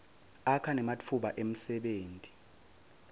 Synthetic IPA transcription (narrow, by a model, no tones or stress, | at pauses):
akʰanɛmat͡fʰuɓaʔem̩sɛɓeːntʼi̥